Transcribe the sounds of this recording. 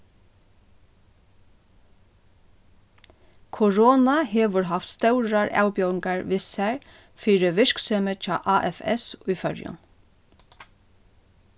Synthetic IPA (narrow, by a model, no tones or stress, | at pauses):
kʰʊɹoːnaheːʋəɹɦaft̪st̪œwɹaɹa̰ːwbjœwɪŋkaɹʋɪsæɹ | fiːɾəʋɪɹkseːmət͡ʃɑ̰ːʔaːʔɛfɛ̰sʊjfœɹjʊ̰n